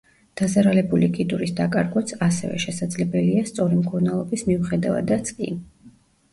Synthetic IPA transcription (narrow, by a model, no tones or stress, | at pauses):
d̪̥azaɾalɛbulikʼid̪uɾisd̪akʼaɾɡwat̪sʰasɛ̰vɛ̰ʃɛsad̪zlɛbɛliast̪sʼɔɾimkʰɔɾnɛlˠɔbismiuχɛd̪ava̰d̪at̪sʼkʼḭ